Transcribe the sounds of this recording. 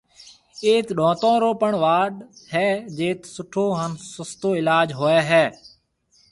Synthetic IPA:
eːt̪ɗõːt̪õːɾoːpəɳʋaːɗhɛːd͡ʒeːt̪sʊʈʰoːɦənsʊst̪oːɪlaːd͡ʒɦoːɛːɦɛː

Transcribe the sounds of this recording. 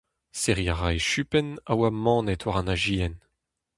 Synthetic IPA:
seʁjaʁajʃypɛnawamɑ̃ːnɛt̪ʰwaʁɑ̃naʒiːɛn

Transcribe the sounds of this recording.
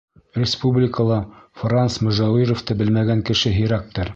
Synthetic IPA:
rʲɪspublʲɪkəlˠɑfransmʊ̆ʒɑwiɾŏft̪ɤbɘ̆lmæɡæŋkɘ̆ʃɘɦĭɾæk̚t̪ɤɾ

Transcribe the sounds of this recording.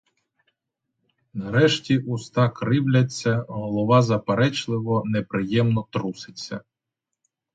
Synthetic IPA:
nɐɾɛʃtʲiʔust̪ɑkɾɪwlʲɐt͡sʲːɐɦɔlˠɔʋɑzɐpeɾɛt͡ʃlˠɪʋɔnepɾɪjɛmnɔt̪ɾusɪt͡sʲːɐ

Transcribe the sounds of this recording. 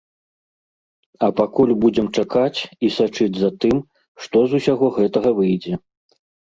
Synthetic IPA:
ɐpakulʲbud͡zʲɛmt͡ʂakat͡sʲisat͡ʂɨd͡zʲzat̪ɨm | ʂt̪ɔzusʲaɣɔɣɛt̪ɐɣɐvɨjd͡zʲɛ

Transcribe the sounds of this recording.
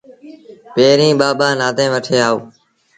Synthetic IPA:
peːɾĩːɓaːɓaːnaːd̪ẽːʋəʈʰeːaːoː

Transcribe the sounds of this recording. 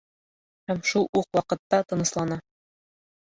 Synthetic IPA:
hæmʃulˠuqwɑqɤ̆t̪ːɑt̪ɤ̆nɤ̆ʃlˠɑnɑ

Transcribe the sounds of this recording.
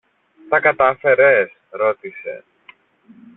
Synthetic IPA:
t̪ɐkɐt̪ɐfe̞ɾe̞sɾo̞t̪ise̞̰

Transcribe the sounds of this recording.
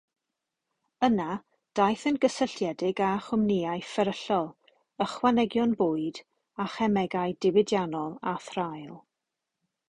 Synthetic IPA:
əna | d̥ajθənɡəsəɬjɛdɪɡaχʊmniaɨfəɾəɬɔlˠ | əχwanɛɡjɔnbʊːɨd | aχɛmɛɡajdɪwɪdjanɔlˠaθrajlˠ

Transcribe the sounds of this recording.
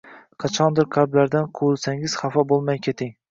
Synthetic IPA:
qʰɑt͡ʃʰɒnd̪ɪɾqʰaɾblaɾd̪anqʰoɪlˠsaŋɪz̥χɑfɒbolˠmajkʲʰet̪ʰɪŋ

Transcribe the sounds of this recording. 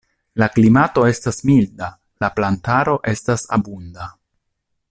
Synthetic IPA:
laklimato̞e̞stasmilda | laplantaɾo̞ʔe̞stasa̰bunda

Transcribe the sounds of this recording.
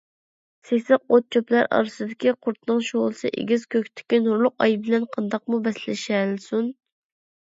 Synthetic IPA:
sesɨq̚ot̪̚t͡ʃʰoplˠæɾʔɑ̰ɾsɨd̪ɪkʲiqʰʊɾt̪ʰnɨŋʃolˠsɨʔḛɡʲiz̥kʲʰøkʲt̪ʰɪ̥kʲinuɾlˠʊqɑjbɪlɛnqʰɑnd̪ɑq̚mubɛslɪʃɛlsun

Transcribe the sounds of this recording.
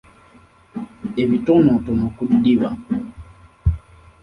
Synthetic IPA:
eβitɔnɔtɔnɔkuɗiɗiβa

